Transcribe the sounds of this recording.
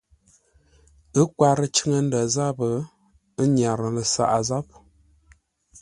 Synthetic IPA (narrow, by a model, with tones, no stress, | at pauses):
ə˦kwa˦ɾə˦t͡ʃə˦ŋə˦n̩˦də˨za˦bə˨ | ə˦ɲ˨a˨ɾə˨lə˨sa̰˨ʔa˨za˦p̚